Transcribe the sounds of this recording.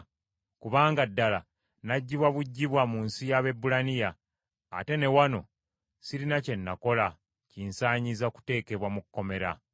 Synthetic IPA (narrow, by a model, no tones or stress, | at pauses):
kuβaːŋɡadːala̰ | naɟːiβwaβuɟːiβwamunsijaβe̞bːulanija̰ː | te̞ne̞wano̞̰ | siɾinace̞nːa̰ko̞la | ciːnsaːɲizaku̥te̞ːke̞βwamukːo̞me̞ɾa̰